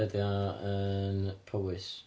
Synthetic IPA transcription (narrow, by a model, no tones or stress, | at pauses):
əðjaənpʰəwɪs